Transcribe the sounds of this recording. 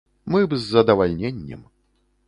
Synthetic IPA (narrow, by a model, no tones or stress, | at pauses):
mɨbzːɐd̪ɐvalʲnʲenʲːɛ̰m